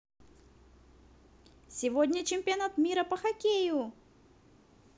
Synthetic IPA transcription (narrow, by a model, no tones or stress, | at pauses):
sʲɪvodʲnʲət͡ɕɪmʲpʲɪɐnat̪mʲiɾəpəxɐkʲejʊ